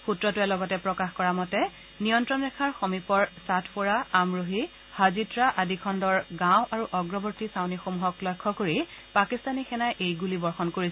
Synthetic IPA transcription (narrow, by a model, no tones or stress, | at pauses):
xutɹɔtʊɛlɔɡɔtɛpɹɔkaxkɔɹamɔtɛ | nijɔntɹɔnɹɛkʰaɹxomipɔɹsatʰpoɹaamɹoɦi | hazitɹaʔadikʰɔndɔɹɡãw̃ʔaɹuʔɔɡɹɔbɔɹtisawnixomuɦɔklɔjkʰːɔkoɹipakistanixɛnajʔejɡulibɔɹxɔnkoɹis